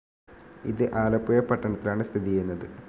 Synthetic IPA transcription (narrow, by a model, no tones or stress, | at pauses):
ḭðɨʔaːlɐpːujɐpɐʈːɐɳɐt̪ːilaːɳɨst̪ʰiðijɐjunːɐðɨ